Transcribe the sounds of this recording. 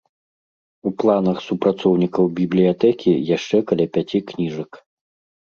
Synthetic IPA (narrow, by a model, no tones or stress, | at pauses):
uplˠanɐxsupɾat̪sɔwnʲikɐwbʲiblʲijat̪ɛkʲijaʂt͡ʂɛkɐlʲapʲat͡sʲiknʲiʐɐk